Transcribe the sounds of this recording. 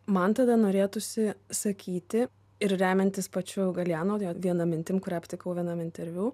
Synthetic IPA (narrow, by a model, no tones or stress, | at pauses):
mɐnt̪ɐd̪ɐnoːɾʲeːt̪ʊsʲɪsɐkʲiːt̪ʲɪ | ɪɾɾʲæːmʲɛnʲt̪ʲɪspɐt͡ʃʲʊɡɐlʲjæːnoːjoʋʲiɛnɐmʲɪnʲt̪ʲɪmkʊɾʲɛːpʲt̪ʲɪkɐʊʋʲiɛnɐmɪnʲt̪ʲɛɾʲʋʲuː